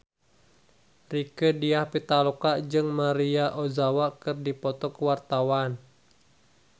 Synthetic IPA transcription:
rikədiahpit̪alɔkaʔd͡ʒɨŋmaɾiaʔozawakɨrdipɔt̪ɔkəwart̪awan

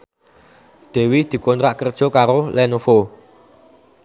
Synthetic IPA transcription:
d̪̥ɛ̤wid̪̥i̤kont̪ɾaʔkərd̥ʒ̥ɔ̤kaɾolɛnofo

